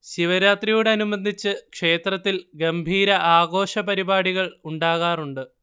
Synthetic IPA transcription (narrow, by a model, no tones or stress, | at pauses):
ɕiʋɐɾaːt̪rijuːɽeɐnumɐnd̪ʱit͡ɕːɨkʂe̞ːt̪rɐt̪ːilɡɐmbʱiːɾɐʔaːɡo̞ːɕɐpɐɾibaːɽiɣɐɭuɳɖaːɣaːruɳɖɨ